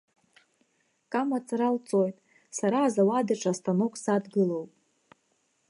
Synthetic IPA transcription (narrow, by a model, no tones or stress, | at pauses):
kʼamat͡sʼaɾalt͡sʼo̞jtʼ | saɾaːzawadaʈ͡ʂʼastʰano̞kʷʰʼsadɡɨlowpʼ